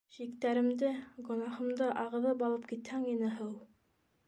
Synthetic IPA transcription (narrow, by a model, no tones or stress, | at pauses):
ɕik̚t̪æɾɘ̆md̪ɘɡŏnɑhɤ̆md̪ɤʔɑʁɤ̆ðɤbɑlˠɤp̚kit̪hæŋinɘɦɤw̪ˠ